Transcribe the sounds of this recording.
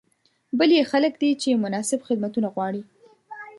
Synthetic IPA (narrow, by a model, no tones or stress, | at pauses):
bəljexaləkd̪it͡ʃemʊnɑsɪbxɪd̪̚mat̪unaɣwɑɽi